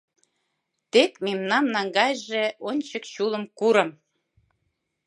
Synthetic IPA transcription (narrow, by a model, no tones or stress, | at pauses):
t̪ekmemnɑmnɑŋɡɑjʒeonʲt͡ɕəkɕulˠəmkuɾə̆m